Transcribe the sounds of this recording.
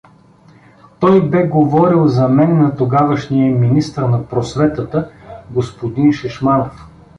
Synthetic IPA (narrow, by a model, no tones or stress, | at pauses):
t̪ɔjbɛɡovɔɾilˠzɐmɛnːɐt̪oɡavəʃnijɐminist̪əɾnɐpɾosvɛt̪ət̪əɡospod̪inʃɛʃmanof